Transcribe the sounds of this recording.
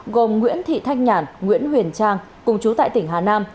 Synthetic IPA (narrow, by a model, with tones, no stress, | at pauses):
ɣo˨˩mŋwḭ˧˥ənt̪ʰḭ˧˨t̪ʰa˧˥jk̟̚ɲaː˧˩nŋwḭ˧˥ənhwi˨˩ənt͡ɕaː˧ŋ | kʊ˨˩ŋ͡mt͡ɕu˨˦t̪a̰ː˧˨jt̪ï˧˩ŋ̟ɦaː˨˩naː˧m